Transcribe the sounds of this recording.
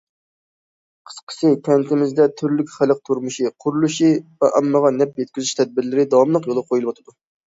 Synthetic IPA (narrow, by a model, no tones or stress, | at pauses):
qʰə̥sqʰə̥sɨk̪ʲʰɛnt̪ʰɪmɪzd̪ɛt̪ʰyɾlykʲχæləq̚t̪ʰuɾmuʃiqʰʊɾulˠuʃivɛʔɑmːəʁɑnɛp̚jɛt̪̚kʲyzyʃt̪ʰɛd̪̚bɪɾlɪɾɪd̪ɑwɑmlˠəqjolˠɑqʰojulˠbot̪ʰɨd̪u